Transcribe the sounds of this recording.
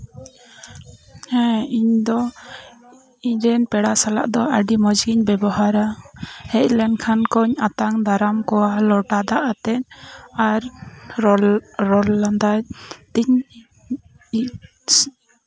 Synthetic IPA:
hɛ̃iɲd̪ɔ | iɲɾɛnpɛɽasala̰ʔd̪ɔʔəɖimɔd͡ʒɡiɲbɛbɔɦaɾahɛc̪̚lɛnkʰankɔɲat̪aŋd̪aɾamkɔwalɔʈad̪aʔat̪ɛnaɾ | ɔlːand̪ajt̪iɲ

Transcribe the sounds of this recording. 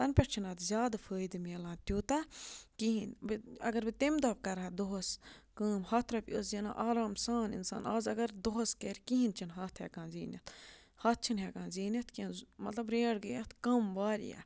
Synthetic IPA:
t̪ɐnpʲeʈt͡ʃʰinɐːt̪ʰzʲjaːd̪fʰəːjd̪ɨmelãːnt̪ʲjuːt̪akiɦinbiɐ̰ɡɐɾbit̪emd̪ɐb̚kɐɾad̪oɦskəːmhɐːt̪ʰɾɐpʲoːszina̰ːʔaːɾaːmsaːnḭnsa̰ːnaːzɐɡɐɾd̪oɦskeɾʲkiɦint͡ʃʰinɦɐːt̪ʰhḛkãːnzḭːnʲjɐ̰t̪ʰ | hɐt̪̚ʰt͡ʃʰinɦekãːnziːnʲɐt̪ʰkinmɐt̪lɐbɾeːɽɡəjɐt̪ʰkɐmbaːɾḭja̰

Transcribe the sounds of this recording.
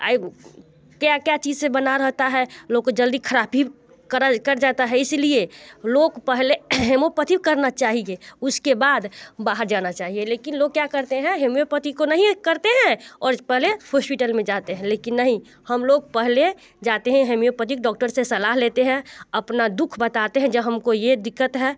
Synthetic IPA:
a̰ːi | kjakjat͡ʃiːd͡ʒsẽbənaɾəɦt̪aɦɛloːɡ̚kːod͡ʒəld̪ikʰəɾaːpi | kəɾakəɾd͡ʒat̪aɦɛɪslieloɡpəɦleɦemopət̪ikəɾnat͡ʃaːɦieʊskebaːd̪baːɦəɾd͡ʒanat͡ʃaːɦieleːkɪnloːɡ̚kjakəɾt̪eɦɛ̃ɦemjopət̪ikonəɦĩkəɾt̪eɦɛ̃ɔːɾpɛɦlehɔːspɪʈəlmẽd͡ʒat̪eɦɛ̃leːkɪnːəɦĩ | həmloːɡ̚pɛɦle | d͡ʒat̪eɦɛ̃ɦemijopət̪ikɖɔːk̚ʈəɾsesɐlaːɦleːt̪eɦɛ̃əpnad̪ʊkʰbət̪at̪eɦɛ̃d͡ʒəbɦəmkojed̪ɪkːət̪ɦɛ

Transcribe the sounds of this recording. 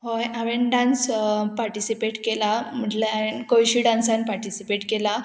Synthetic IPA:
ɦojaʋenɖãnspaɾʈisipeʈkelam̤əɳlkojɕiːɖãnsanpaɾʈisipeʈkela

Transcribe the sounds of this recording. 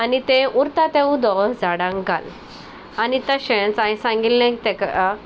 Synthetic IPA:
anit̪ẽuɾt̪at̪ẽud̪ɔd͡zaɽãŋɡa̰l | anit̪əɕent͡sãj̃sãŋɡillẽkt̪ekaa

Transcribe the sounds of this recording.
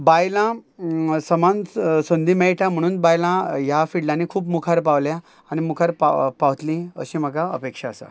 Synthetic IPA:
bajlã | səmansond̪imɛɭʈʰãm̤əɽ̃uːnbajlãjafiɽlanikʰuːpmukʰaɾpaʋlja | aɽ̃imukʰaɾpa̰paʋt̪lĩə̰ɕĩm̤əɡaə̰pekʂaːsa̰

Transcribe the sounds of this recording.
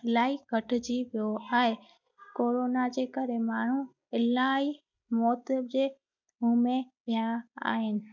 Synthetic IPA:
ɪlaːikəʈʰd͡ʑiʋijoaːɦe | koːɾoːnad͡ʒeːkəɾemaːɳ̤ũ | ɪlaːi | mɔːt̪d͡ʒeː | ɦuːmẽpɪjãa̰ːɦɪnɪ̆

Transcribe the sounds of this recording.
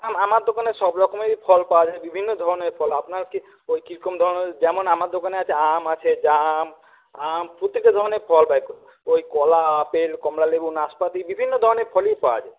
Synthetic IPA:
amamaɾd̪okanesɔbɾɔkɔmeipʰɔlpawad͡ʒaebibʱinːɔd̪ʱɔɾɔneɾpʰɔlapnaɾke | ojkiɾkɔmd̪ʱɔɾɔned͡ʒɛmɔnamaɾd̪okaneat͡ʃʰeamat͡ʃʰed͡ʒam | ampɾut̪ːiked̪ʱɔɾɔnepʰɔlpajkɔ | oikɔlapelkɔmlalebunaspat̪ibibʱinːɔd̪ʱɔɾɔneɾpʰɔlijpawa̰d͡ʒae

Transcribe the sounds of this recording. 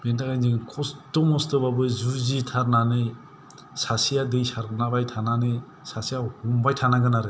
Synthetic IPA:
bendaɡajnzɯŋkʰɔstɔmɔstɯbabɯjzuzitʰaɾnanɯj | sasijadɯjsaɾɡɯnabajtʰananɯj | sasijahumbajtʰanaɡɯnaɾɯ

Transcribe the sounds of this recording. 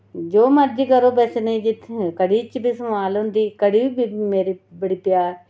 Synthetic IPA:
d͡ʒoːməɾd͡ʒiːkəɾoːbəsneːd͡ʒɪt̪ʰːkəɽiːt͡ʃbiːsəmaːlɦʊ̃nd̪iːkəɽiːiːbiːmeːɾiːbəɽiːpjaːɾ

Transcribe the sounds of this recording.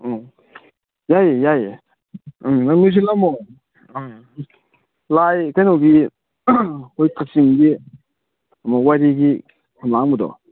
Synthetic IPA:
jajjaj | naŋnus̬ilamɔ | lajkajnɔɡi | hojkʰasiŋɡi | amawaɾiɡi | kʰamlaŋmud̪ɔ̰

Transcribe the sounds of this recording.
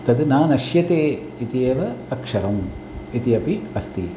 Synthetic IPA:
t̪ɐd̪naːnɐʃjɐt̪eː | it̪ieːʋɐɐkʂɐɾɐm | it̪iɐpiɐst̪ḭ

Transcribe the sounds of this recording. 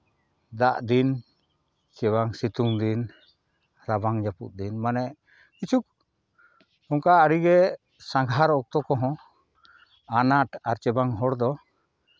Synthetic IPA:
d̪aʔd̪in | t͡ʃɛβaŋsit̪uŋd̪in | ɾabaŋd͡ʒapṵʔ̚d̪inmanɛ | kit͡ʃʰuk̚ | ɔŋkaːɽiɡɛ | saŋɡʱaɾɔk̚t̪ɔkɔɦɔ̃ | anaʈaɾt͡ʃɛbaŋɦɔɽd̪ɔ

